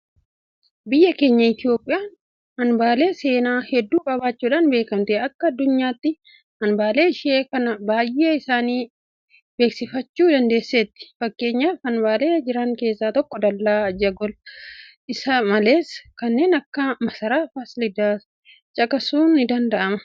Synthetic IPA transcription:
bɪjːɐke̞ːɲːɐɪt̪ɪo̞ːpʼːɪjaːn | hɐnbaːle̞ːse̞ːnaːhɛd̪ːuːkʼɐbaːt͡ʃːuːᶑɐnbe̞ːkɐmt̪eɐkːɐːd̪ːʊɲːaːt̪ːɪ | hɐnbaːle̞ːɪʃɪʔeːkɐnɐbaːjʔːe̞ːɪsaːniː | be̞ːksɪfɐt͡ʃːuːd̪ɐnd̪e̞ːsːeːt̪ːɪ̥fɐkːe̞ːɲːaːfɐnbaːle̞ːd͡ʒɪɾɐŋke̞ːsːaːt̪ɔkːɔd̪ɐlːaːd͡ʒɐɡɔlʔɪsɐmɐle̞ːskɐnːe̞ːnɐkːɐmɐsɐɾaːfaːsɪlɪd̪aː | t͡ʃʼɐkɐsuːnːɪd̪ɐnd̪ɐʔɐmɐ

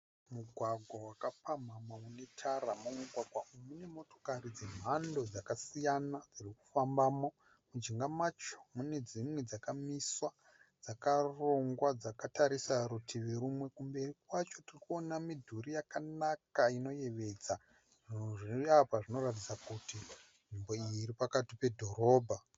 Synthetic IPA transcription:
muɡʱwaɡʱwawakapamamaune̞tʰaɾamomuɡʱwaɡʱwaumune̞mo̞to̞̥karid͡ze̞m̤ando̞d͡zakasijanad͡ziriku̥fambaːmo̞ | mud͡ʒiŋɡamat͡ʃo̞̥mune̞d͡zimwe̞d͡zakamiswa | d͡zakaro̞ŋɡwad͡zakataɾisaɾutʰiʋeɾumwe̞kumbe̞rikwat͡ʃo̞tirikuonamidʱuɾijakanakaino̞je̞ʋe̞d͡za | ʐʐiapaʐino̞rat̬it͡sakuti | ʐimbo̞iːɾipakatipe̞dʱo̞ɾo̞ːbʱa

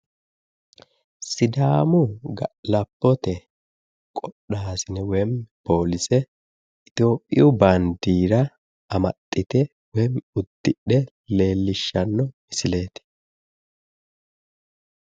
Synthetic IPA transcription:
sɪd̪aːmʊɡɐlɐpːɔt̪ɛ | kʼɔɗːaːsɪnɛwɛmpo̞ːlɪsɛ | ɪt̪o̞ːpʼːɪ̰jʊbɐnd̪iːɾɐ | ɐmɐ̰t̪ʼːɪt̪ɛ | wɛmʊd̪̥ːɪɗɛ | le̞ːlːɪʃːɐnːɔmɪsɪle̞ːt̪ɛ̥

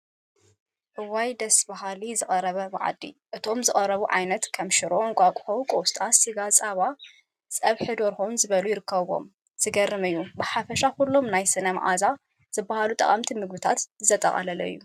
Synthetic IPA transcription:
ʔɨwajd̪ɐsbaɦalizɨχʼɐɾɐβɐma̰ʕ̰d̪ːḭʔɨt̪ʰo̞mzɨkʼɐɾɐβuʕa̰jnɐt̪kʰɐmʃɪɾoʔonkʷʼakʼħɐwukʼowst̪ʼasiɡat͡sʼaβa | sʼɐβħɨd̪oɾxonzɨβɐlujɪɾɨkːɐββo̞̰m | z̥ɨɡɐrːɨmɨjːubɨħafɐʃakulːo̞mnajsɨnɐmʔa̰za | z̥ɨbːahalut̪ʼɐ̰χʼɐmt̪ʰimɨɡbɨt̪ʰat̪zɨt̪ʰɐt̪ʼɐ̰χʼɐ̰lɐlɐ̰ɨ̰jːu

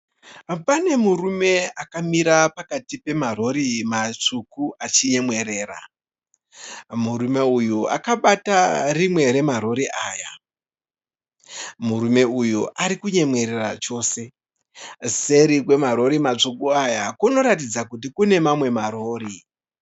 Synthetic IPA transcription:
pane̞murume̞akamiɾapakatipe̞maro̞ɾimat͡ʂukuat͡ʃiɲe̞mwe̞ɾe̞ːra̰ | murume̞ujua̰kaɓatarimwe̞ɾe̞maɾo̞ɾiʔaːja | muɾume̞ujuʔaɾikuɲe̞mwe̞ɾe̞rat͡ʃo̞ːse̞ | se̞ɾik̬we̞maɾo̞ɾimat͡ʂukuajakuno̞ɾatid͡zakut̬ikune̞mamwe̞maɾo̞ːɾi

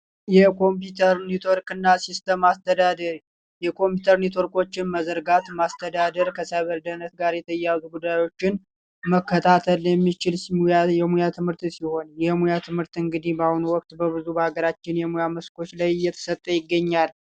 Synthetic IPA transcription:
jɛko̞mput̪ʰəɾnit̪ʰo̞ɾkɨnːasist̪ʰəmast̪ʰəd̪ad̪əɾ | jɛkʰo̞mpjut̪ʰəɾnit̪ʰo̞ɾko̞t͡ʃːɪnməzəɾɡat̪mast̪ʰəd̪ad̪əɾkʰəsajβəld̪ənət̪ɡaɾjɛt̪ʰəjazuɡud̪ːajo̞t͡ʃːɪn | məkːət̪ʰat̪ʰəljɛmːit͡ʃɪlajɛmujat̪ʰɨmhɨɾt̪siho̞njɛmujat̪ʰɨmhɨɾt̪ɨŋɡɨd̪ibahunuwɔk̚t̪bəβɨzubəhaɡəɾat͡ʃːɪnjɛmujaməskʰo̞t͡ʃlajjːɛt̪ʰə̥sət̪ʼːəjɪɡːəɲːal

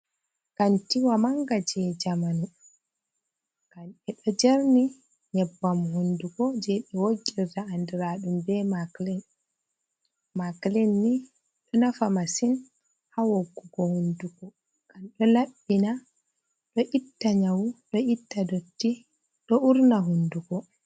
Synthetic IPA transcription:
kantiwamaŋɡad͡ʒɛd͡ʒamanu | ɡ̥anɛɗɔd͡ʒeɾni | ɲɛbːamhunduɡɔd͡ʒɛɓɛwoɡiɾtaandiɾaɗumbɛmaklɛn | maklɛnːi | ɗɔnafamasin | hawoɡːuɡɔhunduɡɔ | ɡ̥anɗɔlaɓːina | ɗɔʔitːaɲawuɗɔʔitːadotːi | ɗɔuɾnaɦunduɡɔ

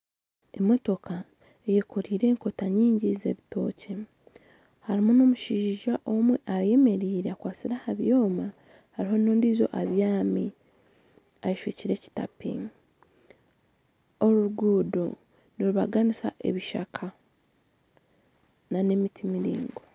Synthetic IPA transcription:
e̞mːo̞to̞ka | ejekʰo̞ɾiːɾe̞ːŋko̞taɲiːɲɟize̞̰βito̞ːcʰe̞ | haɾimuno̞muʃiːʒaʔo̞mweʔaje̞me̞ɾiːɾeakwaːt͡siɾahaβjo̞ːma | haɾiɦo̞noːndiːzo̞̰ʔaβjaːmi | ajiʃuciɾe̞ci̥ta̰pḭ | o̞ɾuɾuɡuːdo̰ | niɾuβaɡanisa̰ʔe̞̰βiʃa̰kʰa | nane̞mitimiɾḭːŋɡo̞

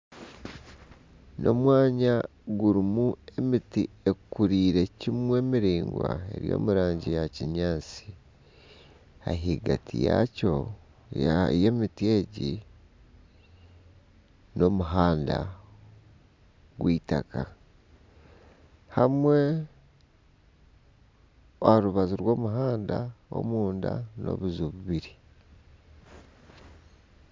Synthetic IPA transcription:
no̞̰mwaːɲa | ɡuɾimue̞miti | e̞kuɾiːɾe̞cimwe̞ːmiɾiːŋɡwa̰e̞̰ɾjo̞̰ːmuɾaːɲɟijaciɲaːt͡si | a̰ɦiɡatʰḭjaco̞ | jaje̞ːmitie̞ɟi | no̞muɦaːnda | ɡwʔiːta̰ka | hamwe̞ | ohaɾuβaziɾwo̞ːmuɦaːndao̞̰muːndano̞̰βuzuβuβiɾi

